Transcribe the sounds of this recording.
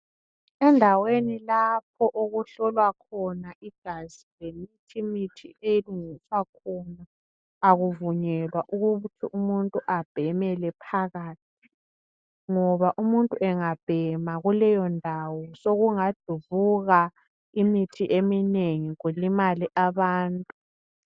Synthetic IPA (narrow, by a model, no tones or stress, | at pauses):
ɛndʱawenilap̚ʰɔʔoɣuɬɔlwakʰɔnaʔiɡ̥ʱazilemitʰimitʰḭʔejiluŋiswakʰɔnaː | ɣuvuɲɛlwaʔuɣuutʰiʔumuntʼuʔab̥ʱɛmɛlɛpʰaɣaːtʰi̥ | ŋɔβaʔumuntʼuɛŋab̥ʱɛmaɣulɛjɔndʱawɔsoɣuŋad̥ʱuβuɣa | imitʰiʔemineŋiɣulimaliʔaβaːntʼu